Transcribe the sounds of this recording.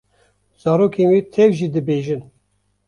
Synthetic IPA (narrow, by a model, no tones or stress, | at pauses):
z̥ɑːɾoːkʰeːnweːt̪ʰɛvʒiːd̪ɨbeːʒin